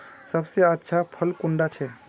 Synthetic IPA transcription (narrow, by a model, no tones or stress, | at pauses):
səbseətːʃʰapʰəlkuɳɖat͡ʃʰe